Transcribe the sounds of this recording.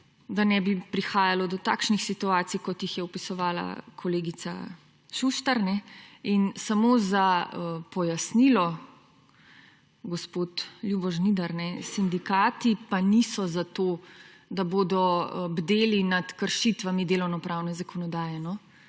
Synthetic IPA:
d̪anɛbipɾixaːjalɔd̪ɔt̪a̰ːkʃnixsit̪uaːt̪sijkɔt̪jixjɛupisɔʋaːla̰kʰɔleːɡit̪sa̰ | ʃuʃt̪aɾnɛinsamoːzaəpɔjasnilɔ | ɡɔspoːt̪ljubɔʒnid̪aɾnɛsind̪ikaːt̪ipanisɔzat̪oː | d̪aboːd̪ɔbd̪eːlinat̪kəɾʃit̪ʋamid̪eːlɔwnɔpɾaːwnɛzakʰɔnɔd̪aːjɛnɔ

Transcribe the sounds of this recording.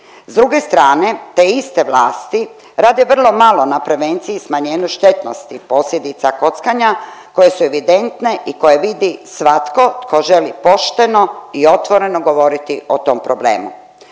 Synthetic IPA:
zd̪ɾuɡe̞st̪ɾaːne̞t̪eist̪e̞ʋlaːst̪i | ɾaːd̪eʋr̩lo̞malo̞napɾe̞ʋe̞nt̪sijismaɲeːnuʃt̪e̞t̪no̰st̪ipo̞sʎʲe̞d̪it̪sako̞t̪skaɲako̞je̞sue̞ʋid̪e̞nt̪ne̞ʔiko̞je̞ʋid̪isʋat̪ko̞tkʰo̞ʒe̞lipo̞ʃt̪e̞no̞io̞t̪ʋo̞ɾe̞noɡo̞ʋo̞ɾit̪iot̪o̞mpɾo̞blḛːmu

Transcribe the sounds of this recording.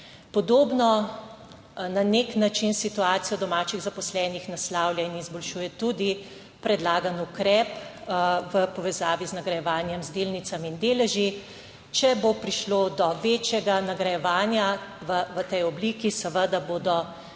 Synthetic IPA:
pɔd̪oːbnɔ | naneknat͡ʃinsit̪uaːt̪sijɔd̪ɔmaːt͡ʃiɣzapɔslɛːnixnaslaːwljainizbɔlʃuːjɛt̪ud̪i | pɾɛd̪laːɡanukɾɛːp | ʋəpɔʋɛzaːʋiznaɡɾɐjɛʋaːnjɛmzd̪eːlnit̪samind̪eːlɛʒi | t͡ʃɛbopɾiʃloːd̪ɔʋeːt͡ʃjɛɡanaɡɾajɛʋaːnjaʋəʋət̪ɛjɔbliːkisəʋəd̪aboːd̪ɔ

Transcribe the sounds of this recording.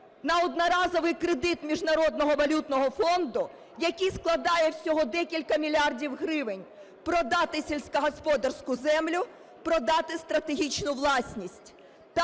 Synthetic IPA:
nɐɔd̪nɔɾɑzɔʋɪjkɾed̪ɪt̪mʲiʒnɐɾɔd̪̚nɔɦɔʋɐlʲut̪nɔɦɔfɔnd̪ʊ | jɐkʲijsklˠɐd̪ɑjɛwsʲɔɦɔd̪ɛkʲilʲkɐmʲilʲɑrdʲiwɦɾɪʋɪnʲ | pɾɔd̪ɑt̪ɪsʲilʲsʲkɐɦɔspɔd̪ɐrsʲkʊzɛmlʲʊ | pɾɔd̪ɑt̪ɪst̪ɾɐt̪e̞ɦʲit͡ʃnʊwlˠɑsʲnʲisʲtʲ | t̪

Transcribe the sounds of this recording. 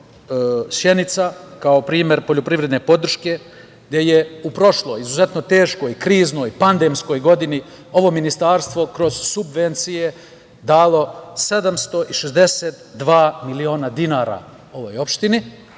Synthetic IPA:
ʃje̞nit̪sakaopɾiːme̞ɾpoʎopɾiʋɾed̪nepo̞d̪r̩ʃke̞ | ɡd̪ʲje̞je̞upɾo̞ʃlˠo̞jizuze̞t̪no̞t̪e̞ːʃko̞jkɾiːzno̞ːjpand̪emsko̞jɡo̞d̪ini | o̞ʋo̞minist̪aːɾst̪ʋo̞kɾo̞z̥subʋe̞nt̪sije̞ | d̪aːlˠo̞se̞d̪amst̪o̞ʔiʃezd̪e̞set̪d̪ʋaːmilio̞ːnad̪inaːɾa̰ | o̞ʋojo̞pʃt̪ini

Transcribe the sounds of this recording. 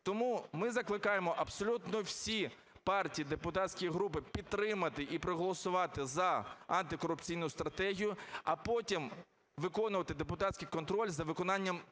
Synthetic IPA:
t̪ɔmumɪzɐklˠɪkɑjemɔʔɐbsɔlʲut̪nɔwsʲi | pɑrtʲijid̪epʊt̪ɑtʲsʲkʊjiɦɾupɪpʲid̪̚t̪ːɾɪmɐt̪ɪʔipɾɔɦɔlˠɔsʊʋɑt̪ɪzɐɐnt̪ɪkɔɾʊpt͡sʲijnʊst̪ɾɐt̪ɛɦʲijʊɐpɔtʲim | ʋɪkɔnʊʋɐt̪ɪd̪epʊt̪ɑtʲsʲkɪjkɔnt̪ɾɔlʲzɐʋɪkɔnɑnʲːɐm

